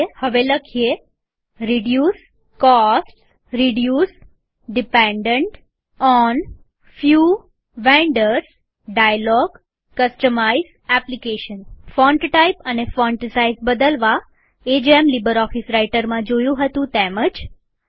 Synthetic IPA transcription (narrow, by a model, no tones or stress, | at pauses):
həʋeləkʰie | ɾiɖjus | kɔsʈs | ɾiɖjus | ɖipeɳɖəɳʈ | ɔn | fju | ʋẽɳɖəɾs | ɖajlɔɡ | kəsʈəmaiz | ɛplikeʃənfɔɳʈʈaipənefɔɳʈsaizbəd̪əlʋa | ed͡ʒemlibəɾɔfisɾaiʈəɾmãd͡ʒojũɦət̪ũt̪eməd͡ʒ